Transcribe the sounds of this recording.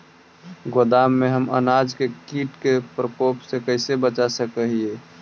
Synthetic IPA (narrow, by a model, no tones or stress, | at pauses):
ɡod̪amːeɦəmə̰nad͡ʒkekiʈkepɾəpopsekəɪsebət͡ʃasəkəɦie